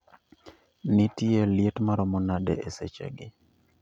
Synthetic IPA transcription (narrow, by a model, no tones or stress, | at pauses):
nɪtieljetmaɾɔmɔnadɛ̰ʔeset͡ʃḛɡɪ